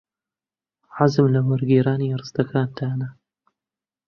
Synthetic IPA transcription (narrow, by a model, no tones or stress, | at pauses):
ʕazɨmlamʊɾɡiːɾaːniɾˤɨst̪akʰaːnt̪ʰaːna